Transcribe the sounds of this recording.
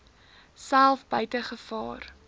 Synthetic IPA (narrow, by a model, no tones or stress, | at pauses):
sælˠfbəjtəχəfɑːr